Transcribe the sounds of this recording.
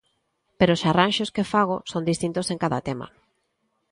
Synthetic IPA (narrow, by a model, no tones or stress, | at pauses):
peɾoʊːsaranʃoskefaɣosond̪ist̪int̪oseŋkaða̰t̪ema̰